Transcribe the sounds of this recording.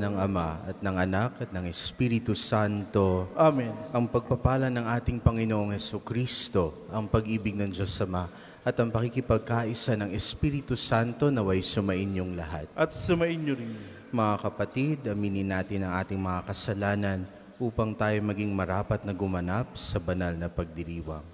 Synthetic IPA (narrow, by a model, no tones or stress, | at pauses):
nɐŋɐmaɐt̪̚nɐŋɐnakɐt̪̚nɐŋɛspiːɾɪt̪usant̪o̞ʔamɛnʔɐŋpɐɡ̚pɐpaːlɐnɐŋʔaːt̪ɪŋpɐŋɪnoʔoŋhɛsukɾist̪o̞ | ʔɐŋpɐɡʔiːbɪɡ̚nɐŋd͡ʒo̞sɐma | ʔɐt̪ɐŋpɐkikɪpɐɡ̚kaʔɪsanɐŋɛspiːɾɪt̪usant̪o̞nɐwɐjsʊmɐʔɪnɲʊŋlɐɦa̰t̪̚ʔɐt̪sʊmɐʔɪnɲoɾɪn | mɐŋakɐpɐt̪id̪ɐmiːnɪnːaːt̪ɪnɐŋʔa̰ːt̪ɪŋmɐŋakɐsɐlaːnɐn | ʔuːpɐŋt̪aːjo̞mɐɡiŋmɐɾaːpɐt̪̚nɐɡʊmɐnap̚sɐbɐnalnɐpɐɡ̚d̪ɪɾiːwɐ̰ŋ